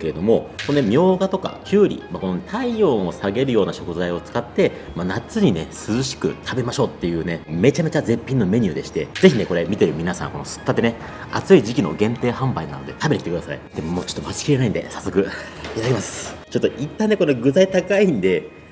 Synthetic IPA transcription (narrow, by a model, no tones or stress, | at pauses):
ke̞ɾe̞d̪o̞mo̞ko̞noemʲo̞ːɡat̪o̞ka̰kʲʰɨːɾʲḭmako̞nonet̪aiõ̞ːosaɡe̞ɾɯjo̞ːnaɕo̞kɯ̟zaio̞t͡sɨ̥kat̪ːe̞ | manat͡sɨɲ̟ine̞sɨzɨɕi̥kɯ̟̰t̪ʰabe̞maɕo̞ːt̪ːe̞jɯ̟ːne̞me̞t͡ɕame̞t͡ɕaze̞pʲːĩnːo̞me̞ɲ̟ɯ̟ːd̪e̞ɕi̥t̪e̞ze̞çʲine̞ko̞ɾe̞mʲit̪e̞ɾɯ̟mʲinasã̰ŋ̃ko̞no̞sɨ̥t̪ːat̪ːene | at͡sɨiʑikʲino̞̰ɡẽ̞nt̪e̞ːhãmbainano̞d̪e̞t̪ʰabe̞t̪ekitekɯ̟d̪asa̰ḭd̪emomoːt͡ɕot̪ːomat͡ɕi̥kʲiɾe̞naĩnd̪e̞̰sasːo̞kɯ̟ | it̪ad̪akʲemasɨ̥t͡ɕo̞t̪ːo̞ʔit̪ːãnːe̞koneɡɯ̟zait̪akaĩnd̪e̞